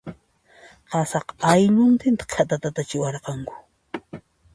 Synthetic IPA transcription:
qɑsɑqajʎʊnt̪ɪnt̪ḁkʰat̪at̪at̪at͡ʃɪwɑɾqɑŋkʊ̥

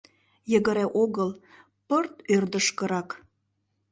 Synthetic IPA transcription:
jəɣə̆ɾeʔoɣəl | pərt̪ørd̪əʃkə̆ɾɑk

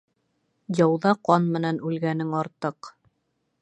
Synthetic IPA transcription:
jɑwðɑqɑnmɘ̆nænʉlɡænɘŋɑɾt̪ɤq

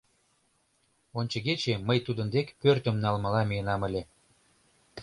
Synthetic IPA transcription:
onʲt͡ɕə̆ɣet͡ɕeməjt̪ud̪ənd̪ekpørt̪ə̆mnɑlmə̆lɑmiənɑmə̆lʲe

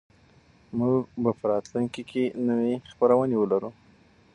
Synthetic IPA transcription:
muɡbapəɾɑt̪luŋkikʰenəwexpəɾawənewəlaɾu

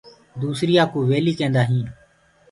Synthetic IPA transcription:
d̪uːsɾɪjaːkuːʋeːliːt͡ʃẽːnd̪aːɦĩː

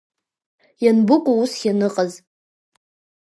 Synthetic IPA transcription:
janbɨkʷʼuusχʲanɨqʼəz

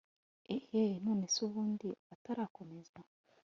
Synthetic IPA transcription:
ehenuːnesuβuːndiataɾaːko̞mezwa

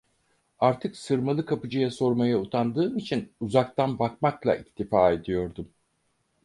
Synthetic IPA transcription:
aɾt̪ʰɯksɯɾmalˠɯkʰapɯd͡ʒɯjaso̞ɾmajaut̪ʰand̪ɯːmit͡ʃʰinuzak̚t̪ʰanbakmaklˠa̰ʔict̪ʰifaːe̞d̪ijo̞ɾd̪um

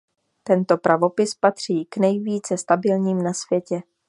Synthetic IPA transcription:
t̪ɛnt̪o̞pɾʔavo̞pɪspat̪r̝̥iːknɛjviːt͡sɛst̪abɪlɲiːmnasvjɛcɛ

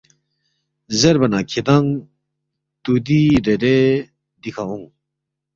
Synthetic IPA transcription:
zeɾbanakʰed̪aŋ | t̪ud̪iɾeɾe | d̪ikʰaɦuŋ

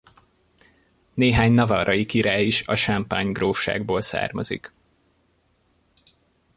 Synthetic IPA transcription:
neːɦaːɲnɒvɒɾɒjikiɾaːjiʃɒʃampaːɲɡroːfʃa̰ːɡboːlsa̰ːrmɒ̰zḭk

